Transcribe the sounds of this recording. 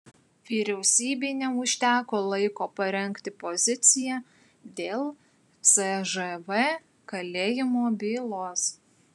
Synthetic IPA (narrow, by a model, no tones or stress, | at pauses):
ʋʲiːɾʲɛʊsʲiːbʲɪnʲɛmʊʃʲt̪ʲæːkoːlˠɐɪkoːpɐɾʲɛŋʲkt̪ʲɪpɔzʲɪt̪sʲɪjæː | d̪ʲeːlˠ | sɛʒɛʋɛ | kɐlʲeːjɪmoːbʲiːlˠoːs